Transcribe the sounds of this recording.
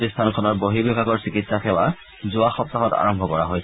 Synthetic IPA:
tist̪ʰankʰɔnɔɹboɦibebʱaɡɔɹsikitsaxɛwa | zʊaxɔp̚t̪axɔta̰ɹɔmbʱɔkɔɹaɦojs

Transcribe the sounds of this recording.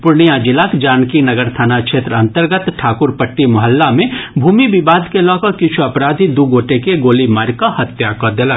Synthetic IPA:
pʊɾɳijad͡ʒɪlaːkd͡ʒaːnkinɐɡəɾt̪ʰaːnakʃʰeːt̪ɾəɐ̃nt̪əɾɡət̪ʈʰaːkʊɾpəʈːimʊɦəlːamẽbʱuːmibɪbaːd̪ʱkelɔːkɐkɪt͡ʃʰuɐpɾaːd̪ʱid̪uɡoːʈekeɡoːlimaːɾkahɐt̪jakɐd̪elaː

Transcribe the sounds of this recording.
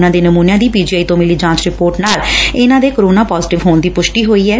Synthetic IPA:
nãːd̪eːnəmuːnjãːd̪iːpiːd͡ʒiːaːit̪õːmɪliːd͡ʒãːt͡ʃɾɪpoːɾʈnaːlɪnãːd̪eːkəɾoːnãːpɔːzɪʈɪʋɦoːnd̪iːpʊʃʈiːɦoːiːɛː

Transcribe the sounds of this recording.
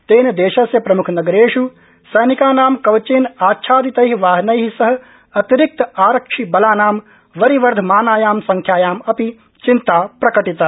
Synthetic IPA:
t̪eːnɐd̪eːʃɐsjɐpɾɐmukʰnɐɡɐɾeːʂu | sɐjnikaːnaːmkɐʋt͡ʃeːnaːtːʃʰaːd̪it̪ɐjɦiʋaːɦnɐjɦisɐɦɐ̆ | ɐt̪iɾik̚t̪ɐaːɾɐkʂibɐlaːnaːm | ʋɐɾiʋɐɾd̪ʱmaːnaːjaːmsɐŋkʰjaːjaːmɐpi | t͡ʃint̪aːpɾɐkɐʈit̪ɐ

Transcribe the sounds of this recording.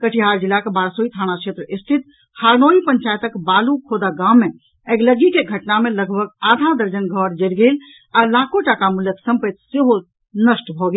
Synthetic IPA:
kəʈʰiɦaɾd͡ʒilːakebaɾsoit̪ʰañakʰet̪ɾəʔist̪ʰit̪̚ | haɾnoipəɲt͡ʃajt̪əkbalukʰod̪aɡamːe | eɡləɡikeɡʱəʈnameləɡbʱək̚ad̪ʱad̪əɾd͡ʒənɡʱɔɾd͡ʒelɡel | alakoʈakamuljəksə̃mpət̪seɦo | nəsʈbʱɔɡel

